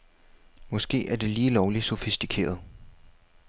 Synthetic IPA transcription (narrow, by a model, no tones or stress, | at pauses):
mɒ̽sɡ̥e̝̰ːæɐd̥e̝liːlɒʊlisofisd̥ikʰe̝̰ːɐð̞ˠ